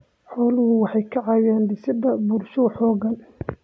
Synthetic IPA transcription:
ħɔːlʊhʊwɑħɑjkʰɐʕɑjaːnd̪ɪsɪd̪ɐbuːrʃʊħɔːɡɐn

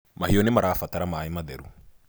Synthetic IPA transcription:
mahiɔnɛmaɾaːfat̪aɾamaimaðɛɾu

